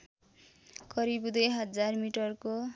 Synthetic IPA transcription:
kʌɾibud̪ʌjɦʌd͡zarmiʈʌrko

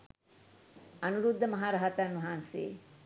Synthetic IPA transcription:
ɐnuɾud̪ʱːɐmɐɦaːɾɐɦɐt̪anʋɐɦaːnsḛː

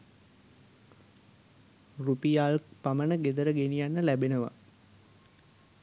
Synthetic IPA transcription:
rupijaːlkpamənəɡed̪əɾəɡenijanːəlæbenəʋa̰

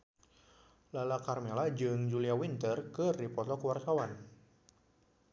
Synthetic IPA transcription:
lalakarmelad͡ʒɨŋd͡ʒuliawint̪ərkɨripɔt̪ɔkəwart̪awan

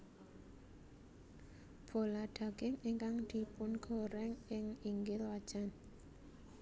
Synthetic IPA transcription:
b̥o̤laɖ̪̥ä̤ɡ̥ɪŋiŋkaŋd̪̥i̤pʊnɡ̥o̤ɾɛŋɪŋiŋɡɪlwad̥ʒ̥an

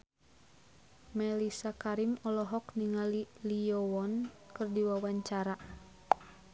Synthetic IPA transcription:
mɛlisakaɾimɔlɔɦɔkniŋaliliɔwɔnkɨrdiwawaɲt͡ʃaɾa

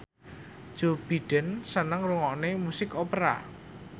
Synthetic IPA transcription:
ʒ̥o̤b̥i̤ɖ̥ɛnsənaŋruŋɔʔnemusɪkopɾa̰

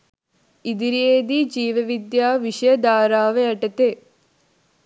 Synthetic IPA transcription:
id̪iɾeːd̪id͡ʒiːʋɐʋid̪jaːʋiʂɐjɐd̪aːɾaːʋeɐʈɐt̪eː

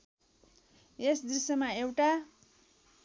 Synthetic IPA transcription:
esd̪risʌmaewʈa

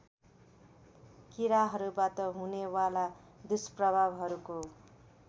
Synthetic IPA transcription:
kiɾaɦʌɾubat̪ʌɦunewalad̪usprʌbʱabɦʌɾuko

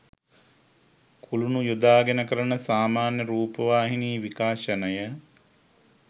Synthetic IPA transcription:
kʰulunujud̪aːɡenəkəɾənəsaːmaːnjəɾuːpəʋaːɦiniːʋikaːʃənəjə

